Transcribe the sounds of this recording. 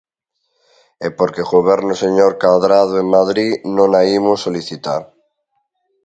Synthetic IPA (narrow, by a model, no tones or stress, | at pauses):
epoɾkeɣoβeɾnoseɲoɾkaðɾað̞oeŋmaðɾinõnaimusːoliθit̪a̰ɾ